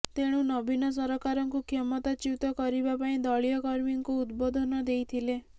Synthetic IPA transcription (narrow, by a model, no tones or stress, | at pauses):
t̪eɽ̃ũnɔbʱinɔs̬ɔɾɔkaɾɔŋkukʰemɔt̪at͡ʃiwt̪ɔkɔɾibapaĩd̪ɔɭijɔkɔɾmiŋkuːd̪bɔd̪ʱɔnɔd̪ejt̪ʰile